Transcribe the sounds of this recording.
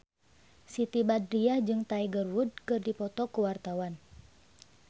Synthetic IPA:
sit̪ibadɾiahd͡ʒɨŋt̪aiɡərwud̚kɨrdipɔt̪ɔkuwart̪awan

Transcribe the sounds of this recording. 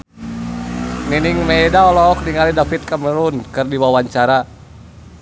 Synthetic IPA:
niniŋmɛːdaɔlɔːk̚niŋalidafit̪̚kaməɾunkɨrdiwawaɲt͡ʃaɾa

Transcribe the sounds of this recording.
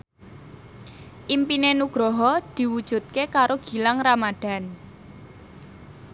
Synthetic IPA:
ʔimpinenuɡ̥ɾɔɦɔd̪̥i̤wud̥ʒ̥ṳt̪̚kekaɾoɡ̥i̤laŋramad̪̥a̤n

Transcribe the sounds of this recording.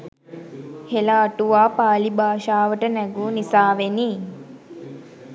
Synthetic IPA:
helaːʈuʋaːpaːlibaːʃaːʋəʈənɛɡuːnisaːʋeniː

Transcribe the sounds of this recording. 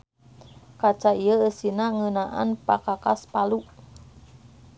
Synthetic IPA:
kat͡ʃaiəəsinaŋənaʔa̰npakakaspalu

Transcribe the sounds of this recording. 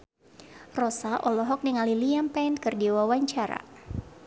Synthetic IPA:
rɔsaʔɔlɔɦɔk̚niŋaliliampɛnkɨrdiwawaɲt͡ʃaɾa̰

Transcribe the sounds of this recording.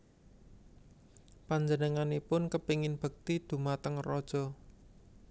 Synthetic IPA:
paɲd͡ʒənəŋanipʊnkəpiŋɪnb̥ə̤k̚t̪id̪̥ṳmat̪əŋrɔd̥ʒ̥ɔ

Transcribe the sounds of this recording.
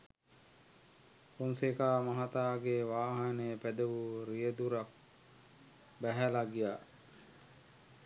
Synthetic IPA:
kunsekaːmaɦat̪aːɡeʋaːɦanəjəpæd̪əʋuɾijəd̪uɾak | bæɦælaɡija

